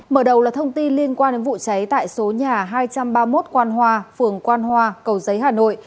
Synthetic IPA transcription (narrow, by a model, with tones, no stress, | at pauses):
məː˧˩ɗə˨˩wlaː˨˩t̪ʰə˧wŋ͡mt̪i˧nli˧ənkwaː˧nɗe˨˦nvṵ˧˨t͡ɕa˨˦jt̪a̰ː˧˨jso˨˦ɲaː˨˩ɦaː˧jt͡ɕa˧mɓaː˧mo˦˥t̚kwaː˧nɦwaː˧fɨ˨˩əŋkwaː˧nhwaː˧kə˨˩wzə˨˦jɦaː˨˩no̰˧˨j